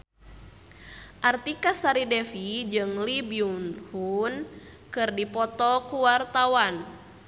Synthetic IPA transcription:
ʔart̪ikasaɾidɛfid͡ʒɨŋlibiunhun | kɨrdipɔt̪ɔkuwart̪awan

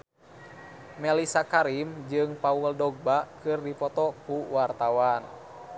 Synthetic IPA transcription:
mɛlisakaɾimd͡ʒɨŋpawuldɔɡ̚bakɨrdipɔt̪ɔkuwart̪awan

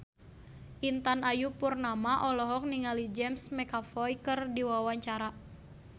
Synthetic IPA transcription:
ʔint̪anajupurnamaʔɔlɔɦɔk̚niŋalid͡ʒɛmsmɛkafɔjkɨrdiwawaɲt͡ʃaɾa

